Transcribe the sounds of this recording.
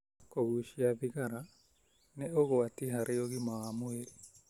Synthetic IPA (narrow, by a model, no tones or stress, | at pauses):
koɣuʃiaβiɣaɾa | neoɣoatiɦaɾeoɣimaamoeɾi